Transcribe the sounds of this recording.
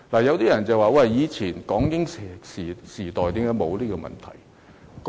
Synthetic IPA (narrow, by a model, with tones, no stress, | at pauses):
laː˨˩jɐ˨˧wt̪iː˥jɐ˨˩nt͡sɐ˨waː˨˧wɐ˧˨jjiː˨˧t͡sʰiː˨˩nkɔː˨˥ŋkɪ˥ŋ˨si˨siː˨˩t̪ɔː˨˩jt̪i˨˥kaː˧˥jmo˨˧wliː˥kɔ˧mɐ̰˨nt̪ʰɐ̰˨˩j | k